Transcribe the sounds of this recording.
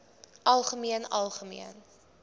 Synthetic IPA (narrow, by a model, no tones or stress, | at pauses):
ʔɐlˠχəmiənɐlˠχəmḭən